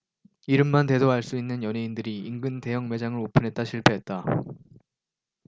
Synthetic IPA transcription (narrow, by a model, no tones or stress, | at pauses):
iɾɯmːante̞doɦaɭs͈uinːɯnjʌneindɯɾiiŋɡɯnte̞jʌŋme̞d͡ʑaŋɯɾopʰɯnɦe̞t̚t͈aɕʰiɭpʰe̞ɦet̚t͈a